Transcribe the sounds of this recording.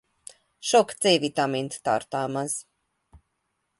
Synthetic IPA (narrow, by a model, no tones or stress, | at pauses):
ʃɔkt̪sɛvit̪amint̪t̪a̰ɾt̪aːmaz